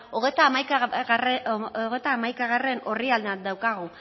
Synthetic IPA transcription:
oɣet̪amajkaɣroɣet̪aːmajkaɣ̞are̞no̞riald̪ad̪awkaɣu

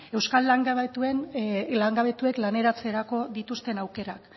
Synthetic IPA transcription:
e̞wskalːaŋɡaβet̪ue̞nlaŋɡaβe̞t̪ue̞klane̞ɾat͡seɾako̞ðit̪ust̪e̞nawke̞ɾak

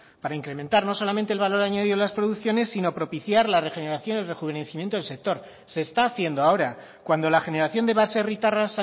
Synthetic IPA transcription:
paɾaiŋkɾe̞mẽ̞nt̪aɾno̞so̞lamẽnt̪elβalo̞ɾaɲaðiðolaspɾoðuθjo̞ne̞sːino̞pɾo̞piθjaɾlare̞xe̞ne̞ɾaθjo̞nelre̞xuβe̞neθimjent̪oelse̞k̚t̪o̞ɾ | se̞ːst̪aːθje̞nd̪oao̞ɾa | kwand̪o̞laxe̞ne̞ɾaθjo̞nd̪easerit̪aras

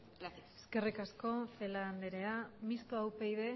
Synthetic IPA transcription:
eske̞rikasko̞fe̞land̪eɾe̞amist̪oawpe̞jðe̞

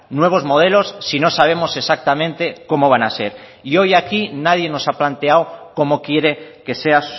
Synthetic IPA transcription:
nwe̞β̞o̞zmo̞ð̞e̞lo̞sːino̞saβ̞e̞mo̞se̞sak̚t̪amẽnt̪e̞ko̞mo̞β̞anase̞ɾ | io̞jakinað̞je̞no̞saplant̪e̞awko̞mo̞kje̞ɾe̞ke̞se̞a

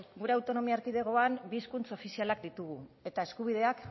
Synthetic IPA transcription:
ɡuɾe̞awt̪o̞no̞miaeɾkiðe̞ɣ̞o̞ambiːskunt͡so̞fisialakd̪it̪uɣ̞ue̞t̪ae̞skuβ̞ið̞e̞ak

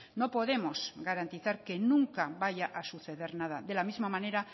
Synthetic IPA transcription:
no̞po̞ð̞emo̞zɣaɾant̪iθaɾke̞nũŋkaβaʝaʔasuθe̞ðe̞ɾnað̞aðe̞lamizmamãne̞ɾa

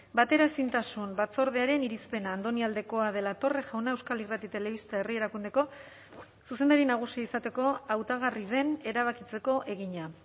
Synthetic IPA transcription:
bat̪e̞ɾaesint̪asumbat͡so̞ɾð̞e̞aɾe̞niɾispe̞naːnd̪o̞niald̪e̞ko̞að̞e̞lat̪o̞re̞ʝawnae̞wskalirat̪it̪e̞le̞βist̪ae̞rie̞ɾakund̪e̞ko̞ | suse̞nd̪aɾinaɣ̞usiaisat̪e̞ko̞awt̪aɣ̞arið̞e̞ne̞ɾaβ̞akit͡se̞ko̞ʔe̞ɣ̞iɲa

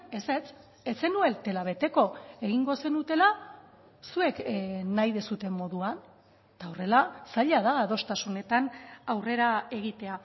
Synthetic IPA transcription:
e̞se̞t͡s | et͡se̞nue̞lt̪e̞laβ̞e̞t̪e̞ko̞e̞ɣiŋɡo̞se̞nut̪e̞la | sue̞knajðesut̪e̞mːo̞ðuan | et̪aore̞lasaʎað̞aːðo̞st̪asune̞t̪anawre̞ɾae̞ɣ̞it̪e̞a

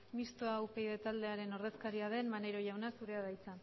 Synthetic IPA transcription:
mist̪oawpe̞jðe̞t̪ald̪e̞aɾe̞no̞ɾðe̞skaɾiaðe̞nmaneɾo̞ʝawnasuɾe̞að̞ajt͡sa

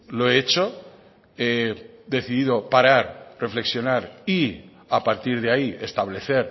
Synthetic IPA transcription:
loeet͡ʃo | eðe̞θiðiðo̞paɾaɾre̞fle̞ksjo̞naɾi | apaɾt̪iɾð̞eaie̞st̪aβle̞θe̞ɾ

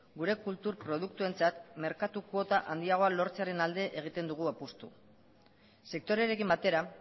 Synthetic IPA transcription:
ɡuɾe̞kult̪uɾpɾo̞ð̞ukt̪ue̞nt͡sat̪me̞ɾkat̪uko̞t̪aʔand̪iaɣ̞o̞alo̞ɾt͡seaɾe̞nald̪e̞ʔeɣ̞it̪e̞nd̪uɣ̞uapust̪ṵ | se̞k̚t̪o̞ɾe̞ɾe̞kimbat̪e̞ɾa

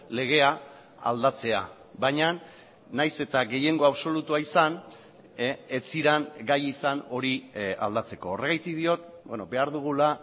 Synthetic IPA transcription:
le̞ɣ̞e̞a | a̰ld̪at͡se̞a̰ | baɲa | najse̞t̪aɣe̞je̞ŋɡo̞aβso̞lut̪uaisan | et͡siɾanɡajisano̞ɾia̰ld̪at͡se̞ko̞ːreɣajt̪ikðio̞t̪bweno̞be̞aɾðuɣ̞ula

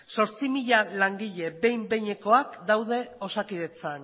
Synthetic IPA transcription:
so̞ɾt͡simiʎalaŋɡiʎe̞be̞jmbe̞ɲe̞ko̞akd̪awð̞e̞o̞sakiðe̞t͡san

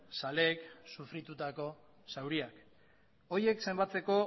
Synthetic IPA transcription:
sale̞ːksufɾit̪ut̪ako̞ | sawɾiak | o̞je̞kse̞mbat͡se̞ko̞

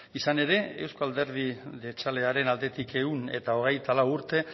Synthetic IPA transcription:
isane̞ɾe̞ewsko̞ald̪e̞ɾð̞iðe̞t͡ʃale̞aɾe̞nald̪e̞t̪ike̞une̞̰t̪ao̞ɣ̞e̞jt̪alawuɾt̪e̞

